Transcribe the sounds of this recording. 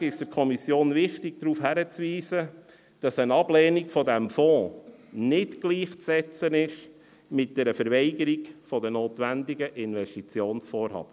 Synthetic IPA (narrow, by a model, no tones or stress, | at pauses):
ɪʃd̥əɾkʰɔmisjoːnʋɪχtɪɡ̚d̥̪ɾuːfhæɾət͡sʋiːsə | d̥ɑsənɑblɛːnikfɔdæmfɔ̃ːnɪtɡliːχt͡sɛt͡sənɪʃ | mɪt̚d̥ɛɾəfəɾʋɛɪɡəɾiɡfɔdənoːt̪ʋænd̪ɪɡəʔɪnʋɛʃtit͡sjoːnsfɔːɾhɑ̰ːb̥ə